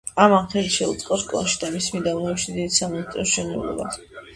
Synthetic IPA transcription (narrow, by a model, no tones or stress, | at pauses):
amanχɛliʃɛut̪sʼqʼɔskʼlˠa̰nʃi̥d̪amismid̪amɔiʃnd̪id̪samnat̪ʰt̪ʼɛst͡ʃʰɛnɛ̰lɔ̰ba̰s